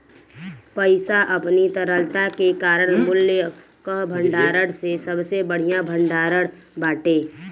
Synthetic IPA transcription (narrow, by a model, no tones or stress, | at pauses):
pəɪsaʔəpnit̪əɾəlt̪akekaːɾəɽ̃mʊlːjə | kəɦbʱəɳɖaːɾəɽsesəbsebəɽ̤ijabʱəɳɖaːɾəɽ | baːʈeː